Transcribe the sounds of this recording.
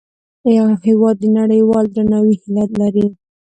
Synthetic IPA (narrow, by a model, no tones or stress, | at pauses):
jɑhɪwɑd̪ːənaɽəjwɑld̪ɾanawihɪlat̪laɾi